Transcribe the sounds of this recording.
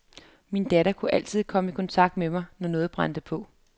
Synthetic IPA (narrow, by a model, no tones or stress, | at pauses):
mind̥æɾɐkʰuʔæl̰t͡sʰið̰ˠkʰɒ̽məikʰɒ̽nt͡sʰɑ̈ɡ̥̚d̥memɑ̈ɪnɒnɔ̽ːð̩ˠb̥ʁɑ̈n̰d̥əpʰɔ̽